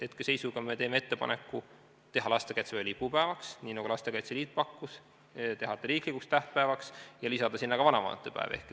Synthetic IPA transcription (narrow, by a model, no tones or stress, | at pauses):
et̪kese̞jsuɡ̥ɑme̞t̪e̞ːme̞e̞t̪ːe̞pɑ̰ne̞kːˑu | t̪e̞ɦɑlɑst̪e̞kɑjt̪sevelʲipːupæevɑksniːnɑɡulɑst̪e̞kɑjt̪seliːt̪̚ˑpɑkːus | t̪e̞ɦɑt̪ːˑeɾiːklikukst̪æht̪̚pæevɑksjɑlisɑd̪̥ɑsinːɑkɑvɑnɑmɑ̰ːnet̪ːˑepæ̰ḛvḛhkˑ